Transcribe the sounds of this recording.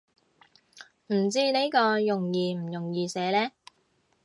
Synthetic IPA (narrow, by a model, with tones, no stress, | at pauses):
m̩˨˩t͡siː˧ne˨˥kɔː˧jʊ˨˩ŋjiː˨˧m̩˨˩jʊ˨˩ŋjiː˧sɛː˨˥lɛː˥